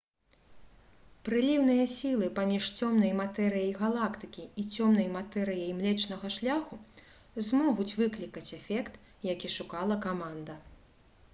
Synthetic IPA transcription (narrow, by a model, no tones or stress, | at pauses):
pɾɨlʲiwnɨjɐsʲilˠɨpamʲiʂt͡sʲɔmnɐjmat̪ɛɾɨjɐjɣalˠakt̪ɨkʲiit͡sʲɔmn̪ɐjmat̪ɛɾɨjɐjmlʲɛt͡ʂnɐɣɐʂlʲaxu | zmɔɣut͡sʲvɨklʲikɐt͡sʲɛfʲɛkt̪ | jakʲiʂukalˠɐkamand̪ɐ